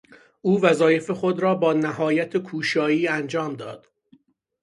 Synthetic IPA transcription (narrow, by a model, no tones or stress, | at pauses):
ʔuːvæzɒːje̞fexod̪ɾɒːbɒːnæhɒːjæt̪ʰekʰuːʃɒːiːænd͡ʒɒːmd̪ɒ̰ːd̪̥